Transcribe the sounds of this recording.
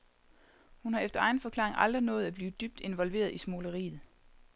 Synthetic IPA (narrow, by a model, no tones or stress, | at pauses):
hunhɑ̈efd̥ɐɑ̈ɪn̩fɒ̽kʰlɑ̰̈ːeŋʔɑ̈ld̥ʁinɔ̽ːð̞̩ˠæb̥liːd̥yb̥d̥e̝nʋɒ̽lʋe̝̰ːɐð̞ˠismo̝ləʁḭːð̩ˠ